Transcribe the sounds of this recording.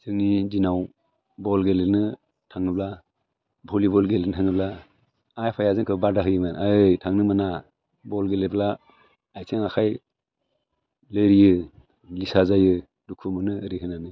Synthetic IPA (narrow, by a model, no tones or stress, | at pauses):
zɯŋnidinaw | bɔlɡelɯnɯ | tʰaŋɯbla | bʱɔlibɔlɡelenɯtʰaŋɯblaː | jpʰajazɯŋkʰɯbadaɦɯjɯmanaɯjtʰaŋnɯmana | bɔlɡelebla | ajsʰɯŋakʰaj | lɯɾijɯ | lisazajɯ | dukʰumɯnɯɾiɦɯnanɯ